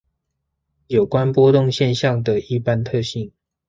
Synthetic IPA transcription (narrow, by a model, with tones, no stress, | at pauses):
jo˨˩ʊkwa˦npwɔ˥˦t̪ʊ˥˨ŋɕjɛ˥˨nɕjɑ˥˨ŋd̪ə˨˩i˥˨pa˦nt̪ʰɤ˥˧ɕi˥˩ŋ